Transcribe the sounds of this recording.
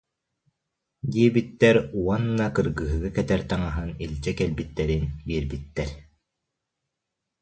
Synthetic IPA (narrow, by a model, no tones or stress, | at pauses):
d̪iɛbit̪ːɛɾuɔnːakɯɾɡɯːɦɯɡɯkɛt̪ɛɾt̪aŋaɦɯnilʲd͡ʑɛkɛlbit̪ːɛɾinbiɛɾbit̪ːɛɾ